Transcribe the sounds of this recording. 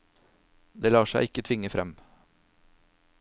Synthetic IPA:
d̪eːlɑːʃæɪɪkət̪ʰʋɪŋəfɾɛm

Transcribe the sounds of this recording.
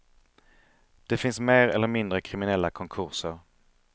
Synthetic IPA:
d̪̥ɛfɪnsmeːɾɛlːəɾmɪnd̪ɾəkʰɾɪmɪnɛlːakʰɔŋkʰɵɾʂəɾ

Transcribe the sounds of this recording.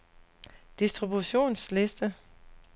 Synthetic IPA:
d̥isd̥ʁibuɕo̝̰ːnsle̝sd̥ə

